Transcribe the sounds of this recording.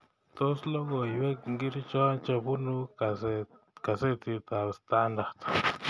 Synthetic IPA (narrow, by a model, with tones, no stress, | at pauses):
t̪o˦slo˦ɡo˨jbe˦ŋɡi˦ɾt͡ʃo˦nt͡ʃa˧bu˦nu˦a˨s | ka˨ze˦t̪i˧t̪a˨bst̪a˧nd̪a˨t̪